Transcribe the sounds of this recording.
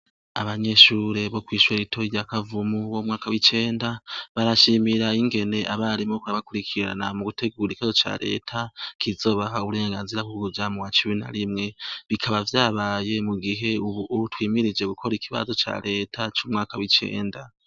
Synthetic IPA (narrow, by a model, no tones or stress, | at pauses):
a̰βaɲe̞ʃuːɾe̞βo̞kwiːʃweɾitʰoiɾjakavumuβomŋaːkawit͡ʃe̞ːndaβaɾaʃimiɾaiŋɡe̞ne̞ʔaβaɾimokuaβakuɾikʰiɾɾa̰namuɡutʰe̞ɡuːɾikiβazo̞t͡ʃa̰ɾʔe̞̰ːtʰakʰizo̞ːβaɦauβuɾe̞ːŋɡaːnziɾahuɡuvjamuwat͡ʃimina̰ɾimŋe̞βikʰaβavjaːβaje̞muɡiɦe̞uβuʔːtwiːmiɾid͡ʒe̞ɡukʰo̞ɾikʰiβa̰zo̞t͡ʃa̰ɾe̞tʰat͡ʃumŋaːkawit͡ʃe̞̰ːnda